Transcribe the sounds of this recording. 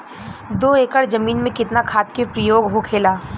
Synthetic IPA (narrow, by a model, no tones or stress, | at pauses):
d̪oːeːkəɽd͡ʒɐmiːnmẽkɪt̪nakʰaːt̪kepɾəjoːɡɦokʰeːlaː